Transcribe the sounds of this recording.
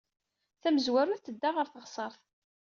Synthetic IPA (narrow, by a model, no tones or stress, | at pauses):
θæməzwæɾuðθəd̪ːaʁəɾθəʁsˤəɾˤθ